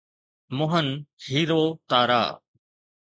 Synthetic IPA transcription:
mʊɦənhiːɾoːt̪aːɾa̰ː

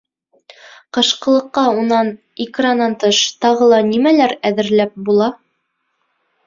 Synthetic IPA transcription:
qɤ̆ʃqɤ̆lˠɤ̆qːɑunɑn | ikranːɑnt̪ɤʃt̪ɑʁɤlˠɑnimælæɾæðɘ̆ɾlæp̚bulˠɑ

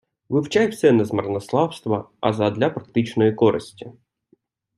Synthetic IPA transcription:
ʋɪwt͡ʃajwsɛnɐzmɐrnɐslˠɑwst̪ʋɐɐ̰zɐd̪lʲɐpɾɐk̚t̪ɪt͡ʃnɔjikɔɾɪ̰sʲtʲi

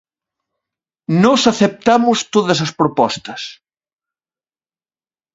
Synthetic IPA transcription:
nɔsaθep̚t̪amʊst̪oðɐsɐspɾopɔst̪ɐs

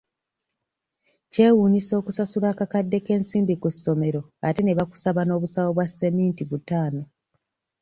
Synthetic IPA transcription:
ce̞ːwuːɲiso̞ːkusasulaːkakadːe̞ke̞ːnsiːmbikusːo̞me̞ɾo̞ate̞ne̞βaku̥saβano̞ːβusawo̞βwase̞miːntiβutaːno

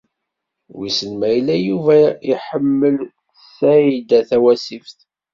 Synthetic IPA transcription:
wisənmæjlæjuvæiħəmːəl | sæid̪æθæwæsifθ

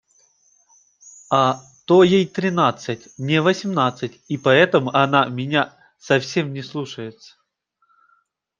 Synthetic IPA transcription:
a | t̪ojejt̪ɾʲɪnat̪sɨtʲnʲɪvəsʲɪmnat̪sɨtʲipɐɛt̪əmʊʔɐnamʲɪnʲa | sɐfsʲemnʲɪslˠuʂəjɪt̪sə̥

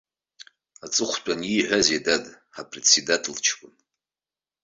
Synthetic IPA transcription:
at͡sʼɨχʷt͡ʃʷʼaniʕʷazedad | ħapʰret͡sʰidatʰɨlt͡ʃʰkʷʼʊn

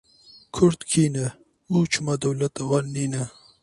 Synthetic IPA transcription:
kʰʊɾt̪kʰiːnɐ | muːt͡ʃʰumɐd̪ɐwlɐt̪ɐwanːiːnɐ

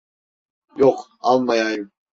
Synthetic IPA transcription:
joq | ɑlˠmɑjɑjɯm

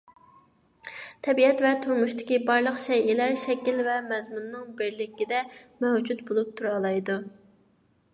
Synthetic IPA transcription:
t̪ʰɛbiɛt̪vɛt̪ʰuɾmuʃt̪ɪ̥kʲibɑɾlˠəqʃɛjilæɾʃɛkʲilvɛmɛzmunːɨŋbɪɾlɪkʲːid̪ɛmɛwd͡ʒut̪bolˠup̚t̪ʰuɾɑlˠɑjd̪u

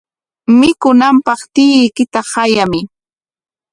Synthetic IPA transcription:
mɪkʊnampɑχt̪ɪjɪjkɪt̪ahajamɪ

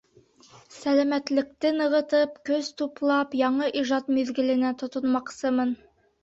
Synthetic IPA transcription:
sælæmæt̪lɘ̆k̚t̪ɘnɤ̆ʁɤ̆t̪ɤpkɵzt̪uplˠɑpjɑɴɤʔiʒɑt̪miðɡɘ̆lɘ̆næt̪ŏt̪ŏnmɑqsɤmɤn

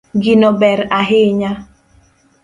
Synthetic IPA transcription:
ɡinɔbɛɾaɦɪɲa

